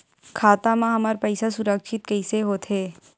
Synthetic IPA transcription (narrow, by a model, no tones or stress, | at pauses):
kʰaːt̪amãɦɐmaɾpɛːɪsasʊɾəkʃɪt̪̚kɐɪseɦoːt̪ɦeː